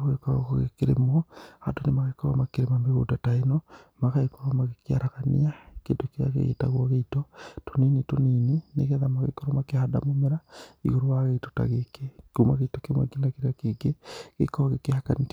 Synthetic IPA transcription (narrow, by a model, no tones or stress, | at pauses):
ɣoɣekaɣo̰koɣḛkeɾḛmɔhadonemakaekɔɾɔ̰makeɾemameɣo̰dataenɔmaɣaekɔɾomaɣekia̰ɾaɣanḭakḛtokea̰ɣḛɣḛta̰ɣwaɣeitɔtoninitonininḛɣɛðamaɣḛkoɾɔmakehada̰momeɾaḭɣoɾowaɣeito̥ta̰ɣekekumaɣeitokemwɛ̰kinakeɾakeɡekḛkɔβaɣekehaka̰nik